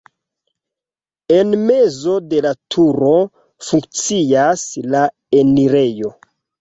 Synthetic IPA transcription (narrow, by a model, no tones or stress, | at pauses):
e̞nme̞zo̞de̞latʰuɾo̞ | fuŋk̚t͡siasla | eniɾe̞jo̞